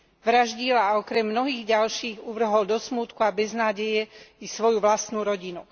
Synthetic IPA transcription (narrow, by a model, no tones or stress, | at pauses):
ʋɾaʒɟiːlaːɔkɾɛmːnɔɦiːɣɟalʃiːɣuʋr̩ɦɔld̪ɔsmuːt̪kuabɛznaːɟɛjɛisʋɔjuʋlast̪nuːɾɔɟinu